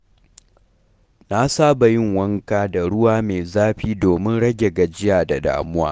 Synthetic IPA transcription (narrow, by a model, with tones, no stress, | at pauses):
na˦saː˦ba˨jɪ˦˨ŋwɐ˦ŋkaː˦da˨ɽʊ˦waː˦meː˨zaː˦ɸiː˦doː˨mɪ˦nɽɐ˦ɡʲe˨ɡa˨d͡ʒɪ˦jaː˨da˨da̰ː˨mʊ˦wa̰ː˦